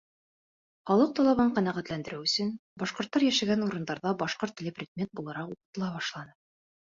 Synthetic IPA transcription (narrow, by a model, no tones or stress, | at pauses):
χɒlˠɤq̚t̪ɒlˠɑβɑɴqɑnæʁæt̪lænd̪ɘ̆ɾɘwɵ̆sɘnbɒʃqŏɾt̪ːɑɾjæʃæɡænuɾɤ̆nd̪ɑɾðɑbɒʃqoɾt̪ĭlʲɘprʲɪd̪̚mʲet̪̚bulˠɤɾɑquqɤ̆t̪ɤ̆lˠɑbɑʃlˠɑnɤ